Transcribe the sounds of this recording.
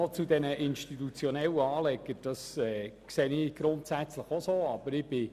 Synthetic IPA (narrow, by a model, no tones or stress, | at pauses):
ɔt͡sudɛnəʔɪnʃtitut͡sjɔnɛləɑːlɛɡəd̥ɑsɛːkseːnɪɡ̥ɾʊntsæt͡sləχosoːɑb̥əɾɪb̥ɪ